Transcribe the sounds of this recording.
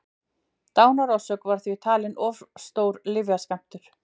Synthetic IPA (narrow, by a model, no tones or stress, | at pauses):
t̪aːwnaɾasœkvaɾ̥θvit̪ʰaːlɪnʔɔvɾ̥st̪oːwɾlɪvjaskam̥t̪ʏɾ̥